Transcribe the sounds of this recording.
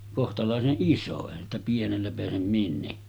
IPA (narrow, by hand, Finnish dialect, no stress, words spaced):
kohtɑlɑˑeseʔ ʔiso eˑihæn stæ pienelːæ peæsem minːekːæː